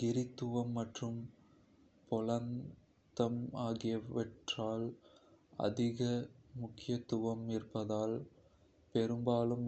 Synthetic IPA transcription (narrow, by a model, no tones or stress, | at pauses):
ɡɪɾɪt̪ːɯʋɐmːɐʈrɯm | pɔlɐn | t̪ɐmaːɣɪjɐʋɛʈraːl | ɐ̰ðɪɣɐmʊkːɪjɐt̪ːʊʋɐmɪrpɐðaːl | pɛɾɯmbaːlɯm